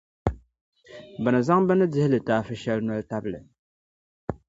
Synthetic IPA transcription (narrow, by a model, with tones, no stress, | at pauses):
ba˨nɨ˨za˦ŋbɨ˦nɨ˦dɪ˦hɪ˦lɨ˨taː˦fɨ˦ʃɛ˦lnɔ˦lta˦blɨ̰˨